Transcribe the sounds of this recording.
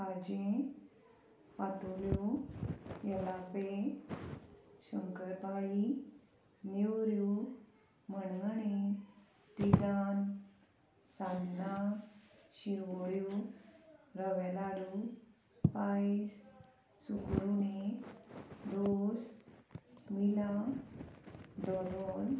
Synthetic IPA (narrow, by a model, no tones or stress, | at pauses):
kad͡ʑẽ | pat̪ulju | jəlape | ɕəŋkəɾpaɭi | newɾju | m̤əñañe | t̪id͡zan | st̪ʰanːa | ɕiɾʋoɽju | ɾəʋɛlaɽu | pais | sukɾune | d̪os | mila | d̪ɔlon